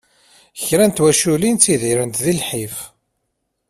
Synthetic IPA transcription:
çɾænt̪wæʃulint͡sːiðiɾənt̪ðilħif

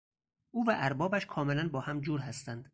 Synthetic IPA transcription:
ʔuːvæʔæɾbɒːbæʃkʰɒːmelænbɒːhæmd͡ʒuːɾɦæst̪ænd̪̥

